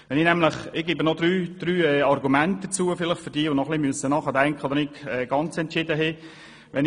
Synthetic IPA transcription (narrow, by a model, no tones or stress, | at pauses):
ʋɛninɛmləχɪɡ̥ebənɔdɾyːd̪̥ɾyːɛɑrɡumænt̚dət͡suːəfɪlɪχtfʏɾdiːəʋonɔχlimyəsənɑχɑd̪ɛŋkχəod̪ənɪkɛːɡ̥ɑnt͡sɛntʃɪdəɦɛ | ʋɛn